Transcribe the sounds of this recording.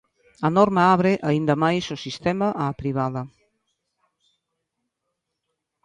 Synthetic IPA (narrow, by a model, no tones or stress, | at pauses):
ɐnɔɾmaaβɾeʔɐind̪əmajsosist̪ɛmɐʔaːpɾiβ̞aðɐ